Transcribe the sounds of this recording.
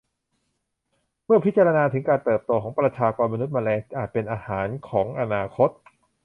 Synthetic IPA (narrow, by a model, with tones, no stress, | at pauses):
mɯ˥˩ɐpʰi˦˥t̪t͡ɕa˧ɾa˧naː˧t̪ʰɯ˩˦ŋkaː˧nt̪ɤː˨˩p̚t̪oː˧kʰɔː˩˦ŋpɾa˧t͡ɕʰaː˧kɔː˧nma˧nu˦˥t̪̚maː˧lɛː˧ʔaː˨˩t̪̚pe˧nʔaː˧haː˩˦nkʰɔː˩˦ŋʔa˧naː˧kʰo˦˥t̪̚